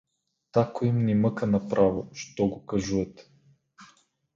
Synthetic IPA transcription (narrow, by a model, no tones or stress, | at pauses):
t̪akoimnimɤkənɐpɾʔavo̰ʃt̪ɔɡokaʒuɛt̪ɛ̥